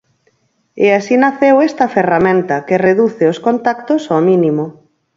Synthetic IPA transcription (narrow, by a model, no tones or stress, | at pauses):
easinaθewest̪ɐferamẽnt̪ɐkereðuθeoskont̪akt̪osominimo